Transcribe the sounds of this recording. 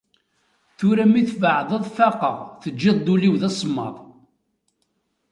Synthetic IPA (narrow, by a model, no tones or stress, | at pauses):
θʊɾæmiθvəʕðˤəðˤfɑqəʁθəd͡ʒːɪðˤd̪uliwðæsˤmːɑ̰ðˤ